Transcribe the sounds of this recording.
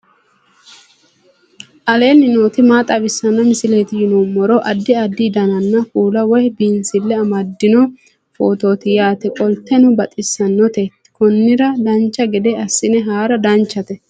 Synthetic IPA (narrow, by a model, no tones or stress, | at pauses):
ʔɐle̞ːnɪnoːt̪ɪmaːt̪ʼɐbɪsːɐnːɐmɪsɪleːt̪ɪjɪnomːɔɾɔʔɐd̪ːɪɐd̪ːɪd̪ɐnɐnːɐfuːlɐwɔjbinsɪlːɛɐmɐd̪ːɪnɔ | foːt̪o̞ːt̪ɪjaːt̪ɛkʼɔlt̪ːɛnʊbɐt̪ʼɪsːɐnːɔt̪ɛt̪kɔnːɪɾɐd̪ɐnt͡ʃːɐɡɛd̪ɛɐsːɪnɛɦaːɾɐd̪ɐnt͡ʃːɐt̪ɛ